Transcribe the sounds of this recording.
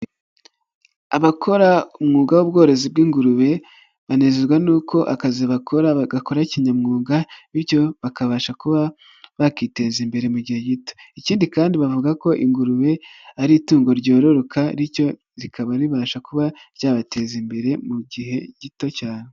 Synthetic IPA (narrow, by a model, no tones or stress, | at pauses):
aβakʰo̞ɾaumŋuːɡawobɡo̞ːɾe̞zibɡiːŋɡuɾuβe̞ | βanezeɡwanuːkʰo̞ʔakaziβakʰo̞ɾaɡako̞ɾaciɲamŋuːŋɡaβiɾjo̞βakaβaːʃakuβa | βakite̞zimbe̞ɾe̞muɟihe̞ɟito̞̥iciːndikaːndiβavuɡako̞ʔiŋɡuɾuβe̞aɾituːŋɡo̞ɾɟo̞ːɾo̞ɾokʰaɾiɾco̞ | ɾikaβaɾiβaːʃakuβaɾjaːβate̞zimbe̞ɾe̞muɟiɦe̞ɟ̥ito̞caːne